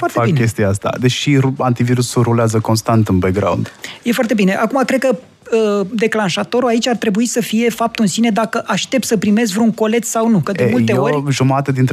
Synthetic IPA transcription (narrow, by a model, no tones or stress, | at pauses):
foart̪feakikʲest̪ijaast̪a̰d̪e̞t͡ʃʃiuant̪iviɾusuɾuleazəko̞nst̪ant̪ɨnbeɡɾa̰wṵnd̪je̞foart̪ebine̞ʔakumakɾed̪̚kə | əd̪e̞klanʃat̪o̞ɾuait͡ʃʲart̪ɾe̞buisəfije̞fap̚t̪uɨnsine̞d̪akəʔaʃt̪e̞p̚t̪səpɾime̞s̬kvɾuuŋko̞le̞t̪ssawnukəd̪eulj̪eo̞roʒumat̪əd̪int̪